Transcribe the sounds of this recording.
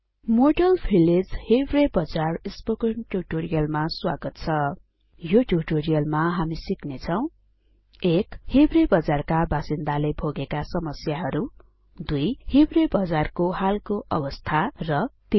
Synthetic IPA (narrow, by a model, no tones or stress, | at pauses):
moɖʌlpʰiled͡zhebrebʌd͡zarispokʌnʈuʈoɾijʌlmaswaɡʌt̪̚t͡sʰʌ | joʈuʈoɾijʌlmaɦamisiknet͡sʰʌw̃ | ekhebrebʌd͡zarkabasind̪alebʱoɡekasʌmʌsjaɦʌɾu | d̪ujhebrebʌd͡zarkohalkoʔʌbʌst̪ʰarʌt̪i